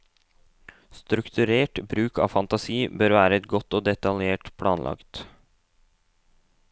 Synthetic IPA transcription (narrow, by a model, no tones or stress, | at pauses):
st̪ɾʉkt̪ʰʉɾeːʈbɾʉːkɑ̰ːʋfɑnt̪ɑsiːbøːɾʋæːɾəɛt̪ɡɔt̪ːoːd̪ɛt̪ɑljeːʈpʰlʔɑ̰ːnlʔɑ̰kt̪